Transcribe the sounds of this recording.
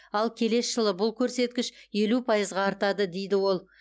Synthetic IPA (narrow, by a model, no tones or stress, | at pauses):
ɑlˠkʲʰe̞le̞sʒəlˠəbʊlˠkʲʰɵɾse̞t̪̚kʲɪʃje̞lupʰɑjəzʁɑːɾt̪ɑd̪əd̪e̞jd̪ɪwo̞lˠ